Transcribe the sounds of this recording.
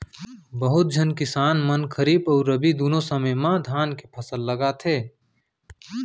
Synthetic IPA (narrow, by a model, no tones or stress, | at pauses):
bəɦʊt̪̚d͡ʒʱənkɪsaːnmənkʰəɾiːbɔːɾɾəbid̪uːnõsəməjmãd̪ʱaːnkepʰɐsəlːəɡat̪ʰeː